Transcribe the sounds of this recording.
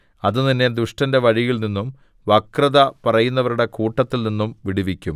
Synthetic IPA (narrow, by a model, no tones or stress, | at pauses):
ɐðɨninːed̪uʂʈɐnde̞ʋɐɻijilninːum | ʋɐkrɐðɐpɐrɐjunːɐʋɐɾuɽe̞kuːʈːɐt̪ːilninːumʋiɽiʋikʲːum